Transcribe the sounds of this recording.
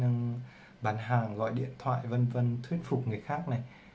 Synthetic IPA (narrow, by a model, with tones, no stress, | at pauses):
na˧ŋ | ɓaː˨˦nɦaː˨˩ŋɣɔ̰˧˨jɗḭ˧˨ənt̪ʰwa̰ː˧˨jvə˧nvə˧nt̪ʰwi˦˥ənfʊ˨˩k͡p̚ŋɨ˨˩əjxaː˦˥k̚na˨˩j